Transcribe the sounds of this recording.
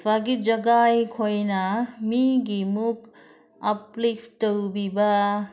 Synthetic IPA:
baɡid͡ʒʌɡajkʰojnamiɡimuk | ʌplipʰtowbiba

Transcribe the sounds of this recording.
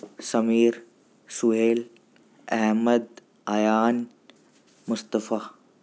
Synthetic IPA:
sɐmiːɾ | sʊɦeːl | ɛɦməd̪ | ɐjaːn | mʊst̪əfaː

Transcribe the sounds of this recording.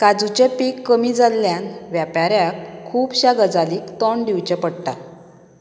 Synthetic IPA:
kad͡zut͡ɕepikːəmid͡zalːjanʋjapaɾjakʰːuːbɕaɡəd͡zaliːkt̪ɔɳɖiwt͡ɕepəɽʈa

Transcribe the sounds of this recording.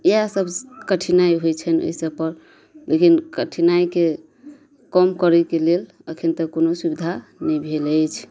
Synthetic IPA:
iasəbkəʈʰinaiɦojt͡ʃʰəno̰jsəpəɾ | lekinkəʈʰinaike | kɔmkɔɾɛkelel | əkʰint̪ɔkonosubid̪ʱanɛbʱeləjt͡ʃʰ

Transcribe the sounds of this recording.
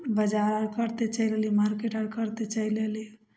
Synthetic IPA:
bəd͡ʒaɾəɾkəɾt̪et͡ʃəilelimaɾkeʈəɾkəɾt̪et͡ʃəileli

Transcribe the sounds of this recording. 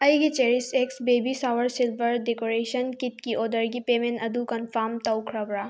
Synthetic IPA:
ɐjɡet͡ʃeɾɪseksbeːbisaːʋəɾsɪlʋəɾɖekoːɾeːʃənkɪt̪kiʔoːd̪əɾɡipeːmẽnɐd̪ukɐnfaːmt̪ɐʊkʰɾɐbɾaː

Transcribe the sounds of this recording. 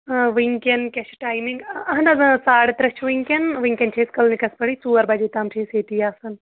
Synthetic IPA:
ʋiŋkɐnkʲɐt͡ʃʰʈaːjmiŋɡɐɦnɐzɨ̃saːɽt̪ɾɐt͡ʃʰʋiŋkɐnʋiŋkʲɐnt͡ʃʰeːskɐlnikɐspɐɽisuːɐɾbɐd͡ʒeːt̪aːmt͡ʃʰeːseːt̪iːaːsɐn

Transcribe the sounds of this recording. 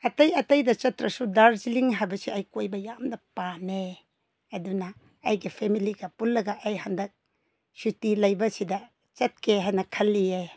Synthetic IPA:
ɐtɐjɐtɐjdɐt͡ʃɐtɾɐsudaɾziliŋɦajbɐsiɐjkojbɐjamdɐpane | ɐdunɐː | jɡipʰemiliɡɐpulːɐɡɐʔːjhandɐk̚ | sutilɐjbɐsidɐ | t͡ʃɐt̚kʰeɦajnɐkʰɐlːie

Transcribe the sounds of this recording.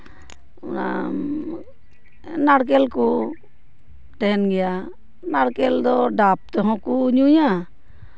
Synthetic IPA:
ṵna̰ | naɽk̬ɛlku | ʈɛɦɛnɡɛja | naɽkɛld̪ɔɖap̚t̪ɔɦɔ̃kuɲuja

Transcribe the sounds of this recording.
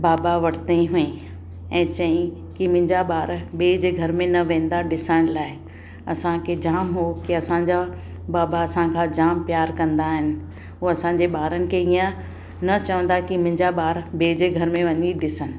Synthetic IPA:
baːbaʋɐɽt̪eɦʊẽ | ɛ̃ːt͡ɕɐĩ | kimʊ̃ɦɪ̃ɲd͡ʑaɓaːɾbeːd͡ʑeɡʱɐɾmẽnɐʋẽːn̆d̪aɗɪsəɽ̃laːɪ | ɐsãkʰed͡ʑaːmɦokiɐsãɲd͡ʑa | baːbaɐsãkʰãd͡ʑaːmpjaːɾkɐ̃nd̪aɦɪnɪ̆ | ɦuɐsãːɲ̆d͡ʑeɓaːɾənɪ̆kʰeiːə̃ | nɐt͡ɕɐʋə̃nd̪akimʊ̃ɦɪ̃ɲd͡ʑaɓaːɾbeːd͡ʑeɡʱɐɾmẽʋɐɲiɗɪsənɪ̆

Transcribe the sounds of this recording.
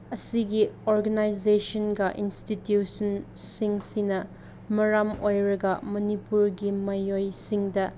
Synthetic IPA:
ɐsiɡioɾɡɐnajzesɔnɡɐʔinstitjusɐnsiŋsinɐ | mɐɾamojɾɐɡɐmɐnipuɾɡimɐjojsiŋdɐ

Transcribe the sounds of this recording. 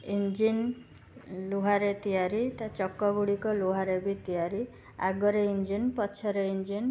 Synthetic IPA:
ind͡ʒin | loɦaɾet̪ijaɾit̪at͡ʃɔkːɔɡuɽikɔloɦaɾebit̪ijaɾi | a̰ɡɔɾeind͡ʒinpɔt͡ʃʰɔɾeind͡ʒin

